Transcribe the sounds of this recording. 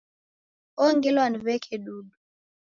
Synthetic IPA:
ɔŋɡɛlwanivɛkʰɛɗuɗu

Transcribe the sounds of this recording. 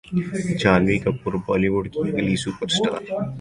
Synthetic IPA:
d͡ʒaːnʋikapʊɾbɔːliʋʊɖkiɡɪlisuːpəɾsʈa̰ːɾ

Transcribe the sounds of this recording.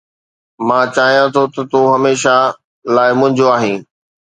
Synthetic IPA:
mãːt͡ɕaːɦijãt̪ʰot̪ɐt̪oːɦɐmeːʃa | laːɪmʊ̃ɦɪ̃ɲd͡ʑoaːɦĩː

